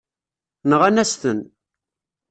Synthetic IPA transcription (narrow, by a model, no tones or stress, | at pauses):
nəʁænæst̪ən